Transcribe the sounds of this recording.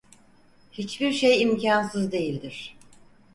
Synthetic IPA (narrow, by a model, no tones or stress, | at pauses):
hit͡ʃbiɾʃejimcʰansɯzd̪e̞jilʲd̪iɾ̝̥